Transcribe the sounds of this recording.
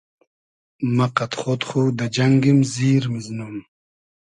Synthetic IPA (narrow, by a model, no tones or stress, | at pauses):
maqat̪χot̪χod̪əd͡ʒaŋɡimziːɾmiznum